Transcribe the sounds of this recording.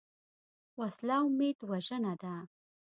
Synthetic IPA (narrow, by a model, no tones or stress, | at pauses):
waslɑʊmed̪waʒənad̪a